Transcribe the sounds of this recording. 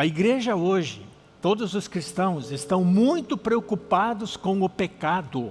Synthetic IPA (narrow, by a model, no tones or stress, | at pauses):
ɐiɡɾeʒɐoʒɪ | t̪od̪ʊzʊskɾist̪ɐ̃w̃zɪst̪ɐ̃w̃mũj̃t̪ʊpɾeokupad̪ʊskõw̃ʊpekad̪ʊ